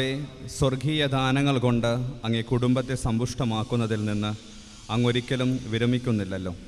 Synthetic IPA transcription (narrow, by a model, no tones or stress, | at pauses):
eswɐrɡʱiːjɐd̪ʱaːnɐŋːɐɭko̞ɳɖɨɐŋːɐnekuɽumbɐt̪ːe̞sɐmbuʂʈɐmaːkːunːɐðilninːɨ | ɐŋːo̞ɾikʲːɐlumʋiɾɐmikʲːunːilːɐlːo̞ː